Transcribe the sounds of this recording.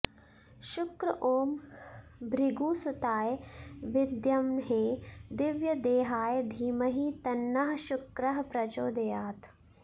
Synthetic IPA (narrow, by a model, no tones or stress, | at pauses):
ʃʊkɾɐʔoːm | bɾiɡuːsʊt̪aːjʋɪd̪jɐmɦeːd̪ɪʋjɐd̪eːɦaːjd̪ʱiːmɐɦit̪ɐnːɐɦɐʃʊkɾɐɦɐpɾɐd͡ʒoːd̪ɐjaːt̪